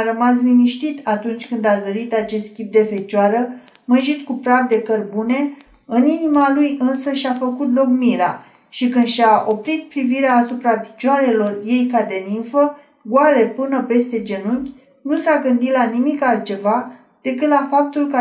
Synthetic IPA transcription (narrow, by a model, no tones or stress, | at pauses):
aɾəmas̬liniʃt̪it̪at̪unt͡ʃʲkɨnd̪azəɾit̪at͡ʃe̞st̪̚kʲip̚d̪e̞fe̞t͡ʃaɾə | mɨnʒit̪kupɾavd̪e̞kərbune̞ | ɨninimalujɨnsəʃiafəkut̪̬lo̞kmiɾa̰ | ʃikɨnd̪ʃaʔo̞pɾit̪̚pɾiviɾeaːsupɾapi̥t͡ʃaɾe̞lo̞rje̞jkad̪e̞ninfə | ɡuale̞pɨnəpe̞st̪e̞d͡ʒe̞nukʲ | nusaɡɨnd̪it̪lanimikalt̪̚t͡ʃe̞va | d̪̥e̞kɨt̪lafap̚t̪ulkə